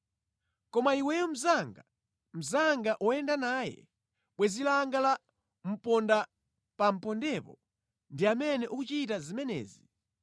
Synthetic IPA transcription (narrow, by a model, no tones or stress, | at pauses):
kɔmaiwɛjɔm̩zaŋɡa | m̩zaŋɡaʔɔɛndanaːjɛ̰ | ɓwɛzilaŋɡala | m̩pɔnda | pam̩pɔndɛpɔ | ndiamɛnɛʔukut͡ʃitazimɛnɛ̰ːzi